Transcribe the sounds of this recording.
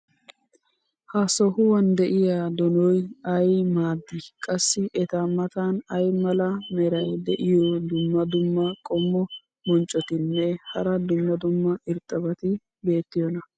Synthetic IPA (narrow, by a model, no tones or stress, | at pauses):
hɐsɔhʊwɐnd̪ɛʔɪjaːd̪ɔnɔjɐjmaːd̪ːikʼɐsːɪʔɛt̪aːmɐt̪aːnɐjmɐlɐmɛɾɐjd̪ɛʔɪjɔd̪ʊmːɐd̪ʊmːɐkʼɔmːɔ | mɔnt͡ʃʼɔt̪ɪnːɛhɐɾɐd̪ʊmːɐd̪ʊmːɐɪɾt̪ʼːɐbɐt̪ɪ | be̞ːt̪ːɪjɔnɐ